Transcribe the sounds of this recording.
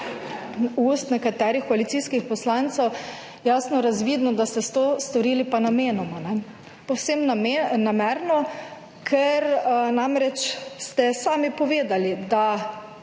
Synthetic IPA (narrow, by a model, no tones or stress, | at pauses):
ust̪nɛkat̪ɛːɾixkɔalit̪siːskixpɔslant̪sɛw | jaːsnɔɾazʋiːd̪nɔd̪ast̪ɛst̪ost̪ɔɾiːlipanameːnɔmanɛ | pɔwsemnamenamɛɾnɔ | kʰɛɾnamɾɛt͡ʃst̪ɛsaːmipɔʋeːd̪alid̪a